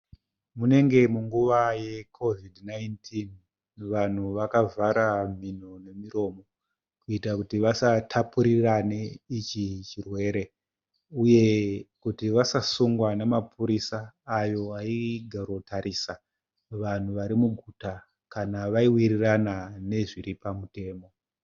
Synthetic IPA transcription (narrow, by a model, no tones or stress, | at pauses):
mune̞ŋɡe̞muŋɡuʋaje̞kʰo̞vidʱnajntʰin | ʋan̤uʋakavaɾam̤inone̞miɾo̞ːmo̞ | kuitakutiʋasatʰapuɾiraneit͡ʃit͡ʃirwe̞ɾe̞ | uje̞kutiʋasasuŋɡwanemapʰuɾisaːjo̞aiɡʱarotʰaɾisa | ʋan̤uʋaɾimuɡʱuta | kanaʋaiwiriranane̞ʐiɾipamute̞ːmo̞